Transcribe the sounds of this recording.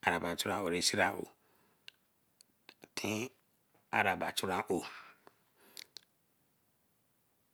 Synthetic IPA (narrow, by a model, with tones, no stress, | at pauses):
a˨ɾa˨ba˨t͡ʃu˦ɾã˧˦o˨ɾi˦si˦ɾa˧ʔo̰˨ | tʰĩ˦ | a˦ɾa˨ba˨t͡ʃu˦ɾã˦ʔo˨